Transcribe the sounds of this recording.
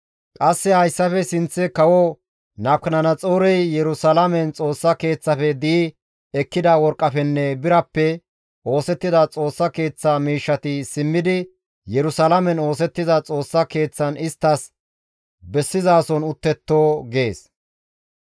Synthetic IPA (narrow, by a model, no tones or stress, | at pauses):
kʼɐsːɛhɐjsːɐfɛsɪnt͡sːɛkɐwɔ | nɐpknɐnɐt͡sʼoːɾɛjjɛɾʊsɐlɐmɛnt͡sʼo̞ːsːɐke̞ːt͡sːɐfɛd̪iː | ɛkːɪd̪ɐwɔɾkʼːɐfɛnːɛbɪɾɐpːɛ | o̞ːsɛt̪ːɪd̪ɐt͡sʼo̞ːsːɐke̞ːt͡sːamiːʃːɐt̪ɪsɪmːɪd̪ɪ | jɛɾʊsɐlɐmɛno̞ːs̬ɛt̪ːɪzɐt͡sʼo̞ːsːɐke̞ːt͡sːɐnɪst̪ːɐs | bɛsːɪzaːsɔnʊt̪ːɛt̪ːoːɡe̞ːs